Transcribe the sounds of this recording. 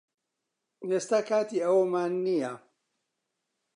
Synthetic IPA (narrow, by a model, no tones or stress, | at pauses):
eːst̪aːkaːt̪iɐwɐmaːnːija